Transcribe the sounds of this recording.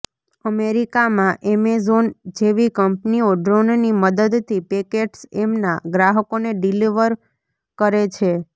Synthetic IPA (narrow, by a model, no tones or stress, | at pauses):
əmeɾikamãʔemezond͡ʒeʋikəmpnioɖɾonniməd̪əd̪t̪ʰipekeʈsemna̰ɡɾaɦəkoneɖiliʋəɾ | kəɾet͡ʃʰe